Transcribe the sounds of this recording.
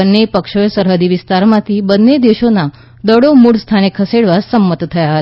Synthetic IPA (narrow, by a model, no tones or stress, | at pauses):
ənːepəkʃojsəɾɦəd̪iʋɪst̪aɾmãt̪ʰibənːed̪eʃona | d̪əɽomuɽst̪ʰanekʰəseɽʋasəmːət̪t̪ʰəjaɦət̪